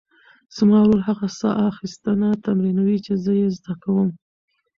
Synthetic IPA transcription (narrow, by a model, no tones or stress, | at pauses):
z̥əmɑɾolɦaɣasɑ̰ʔaxist̪ənat̪amɾinawit͡ʃezəjezd̪akawəm